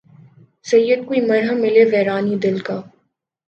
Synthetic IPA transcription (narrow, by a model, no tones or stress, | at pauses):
sɐjːəd̪̚kuimɐɾɦəmːɪleʋɛːɾaːnid̪ɪlkaː